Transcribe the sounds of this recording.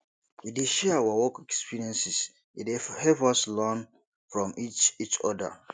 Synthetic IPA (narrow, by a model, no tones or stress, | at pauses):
ideʃɛwawɔkɛkspʰiɹiɛ̃nsis | idehɛvɔslɔ̃n | fɹɔ̃miit͡ʃɔda̰